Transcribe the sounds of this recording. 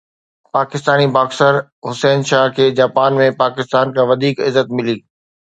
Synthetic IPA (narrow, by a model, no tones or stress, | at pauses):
paːkɪst̪aːnibaːksəɾɦʊsɛːnʃaːɦkʰeːd͡ʑaːpaːnmẽpaːkɪst̪aːnkʰãːʋɐd̪ʱiːkɪzːət̪mɪliː